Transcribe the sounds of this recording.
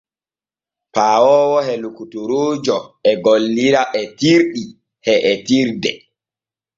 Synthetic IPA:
paːwɔːwɔhɛlukutuɾoːd͡ʒɔɛɡolːiɾaʔɛtiɾɗi | hɛʔɛtiɾdɛ

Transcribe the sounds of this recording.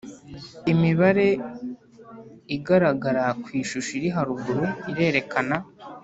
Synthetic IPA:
imiβaɾe̞ | iɡaɾaɡaɾakwiːʃuʃiɾiɦaɾuɡuɾuiɾe̞ːɾe̞kʰana

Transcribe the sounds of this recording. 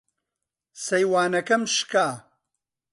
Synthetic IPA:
sɐjwaːnɐkɐmʃkaː

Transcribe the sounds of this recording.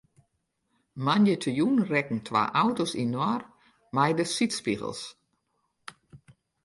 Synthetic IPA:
manjətʰəjunrɛkn̩tʰʋa̰ːʔawtosinɔr | majdəsitspḭɣə̰lˠs

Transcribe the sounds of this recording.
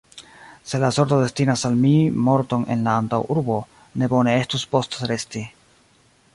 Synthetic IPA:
se̞laso̞ɾt̪o̞de̞stinasalmimo̞ɾto̞ne̞̰nlaːntawʔuɾbo̞ | ne̞bo̞ne̞e̞stuspo̞stɾe̞sti

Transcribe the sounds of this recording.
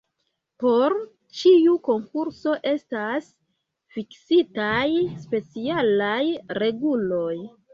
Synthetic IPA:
po̞ɾ | t͡ʃiuko̞ŋkuɾso̞ʔe̞stas | fiksitajspe̞t͡sialajɾe̞ɡulo̞j

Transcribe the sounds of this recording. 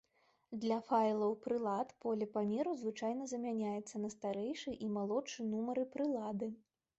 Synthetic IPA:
d̪lʲɐfajlˠɐwpɾɨlˠat̪pɔlʲɐpamʲɛɾuzvɨt͡ʂajn̪ɐzɐmʲanʲajɛt̪sːɐnɐst̪aɾɛjʂɨʔimalˠɔt͡ʂɨnumɐɾɨpɾɨlˠad̪ɨ

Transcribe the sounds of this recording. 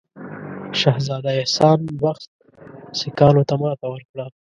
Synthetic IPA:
ʃɑhzɑd̪aesɑnwaxt̪̚ | sɪkɑnot̪amɑt̪awəɾkɽa

